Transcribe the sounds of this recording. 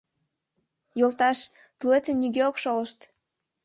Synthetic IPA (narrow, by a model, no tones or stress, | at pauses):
jolt̪ɑʃ | t̪ulet̪ənnʲːyɡeokʃoləʃt̪